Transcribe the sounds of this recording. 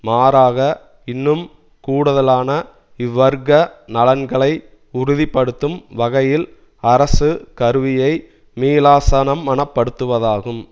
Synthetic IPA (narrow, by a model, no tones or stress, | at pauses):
maːɾaːɣɐ | ɪnːɯm | kuːɽɯðɐlaːnɐ | ɪʋːɐɾɣɐnɐlɐnɡɐɭɐɪ | ʊɾʊðɪpːɐɽɯt̪ːɯmʋɐɣɐjɪl | ɐɾɐsɯkɐɾɯʋɪjɐɪ | meːlaːsɐnɐmːɐɳɐpːɐɽɯt̪ːɯʋɐðaːɣɯm